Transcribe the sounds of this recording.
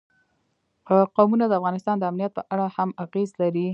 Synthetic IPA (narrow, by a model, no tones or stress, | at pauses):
qowmunad̪əafɣɑnɪst̪ɑnd̪əamnijat̪̚pəʔaɽahamaɣezlaɾi